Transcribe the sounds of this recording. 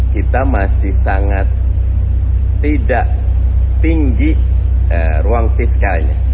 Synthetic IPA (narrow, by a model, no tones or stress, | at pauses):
kit̪amasɪhsaŋat̪̚ | idaʔ | t̪iŋɡi | əruaŋfiskalɲa̰